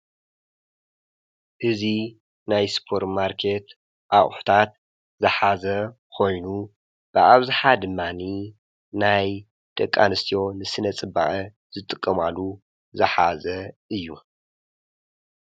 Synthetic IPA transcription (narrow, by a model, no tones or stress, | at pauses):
ʔɨzi | najspʰo̞ɾt̪maɾkʰe̞t̪ | ʔaʔʼħu̥t̪ʰat̪̚ | zɨħazɐ | kʰo̞jnu | b̥ɨʔaβzɨħad̪ɨmːani | naj | d̪̥ʼɐkʼːanɨst̪ʰijo̞nɨsɨnɐt͡sʼɨba̰ʔɐ | z̥ɨt̪ʼɨkʼːɐmalu | zɨħazɐʔɨjːu